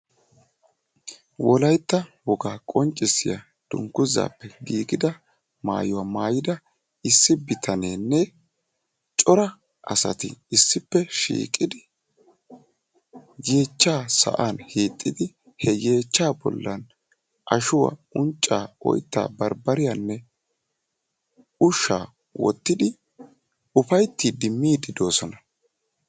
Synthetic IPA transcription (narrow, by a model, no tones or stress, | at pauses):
wɔlɐjt̪ːɐwɔɡaːkʼɔnt͡ʃʼːɪsɪjɐ̰ | d̪̥ʊ̰ŋkːʊza̰ːpːɛɡiːɡɪd̪ɐ | ma̰ːjʊwɐmaːjɪd̪ɐ | ɪsːɪbɪt̪ʰɐneːnːɛ | t͡ʃʼɔɾɐ | ʔɐ̰sɐ̰t̪ɪ̰ɪsːɪpːɛʃḭːkʼɪd̪ɪ | je̞ːt͡ʃːaːsɐ̰ʔaːnheːt̪ʼːɪd̪ɪ | hɛje̞ːt͡ʃːaːbɔ̰lːɐn | ʔɐʃʊwɐ̰ʊnt͡ʃʼːaːʔɔ̰jt̪ːa̰ːbɐɾbɐɾɪjanːɛ | ʊʃːa̰ː | wɔ̰t̪ːɪd̪ɪ | ʊfɐjt̪ːid̪ɪmːiːd̪ɪd̪o̞ːsɔnɐ